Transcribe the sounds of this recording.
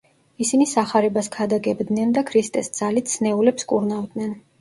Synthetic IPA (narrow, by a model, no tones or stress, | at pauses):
isinisaχaɾɛbaskʰad̪aɡɛbd̪nɛnd̪akʰɾist̪ʼɛsd̪z̥alit̪sʰnɛulɛpskʼuɾnavd̪nɛn